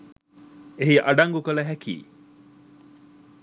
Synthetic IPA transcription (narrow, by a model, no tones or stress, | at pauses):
eɦiʔɐɖɐŋɡukɐləɦækḭː